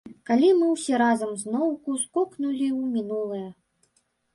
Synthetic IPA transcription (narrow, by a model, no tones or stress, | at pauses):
kalʲimɨwsʲɛɾazɐmznɔwkuskɔknulʲiwmʲinulˠɨjɐ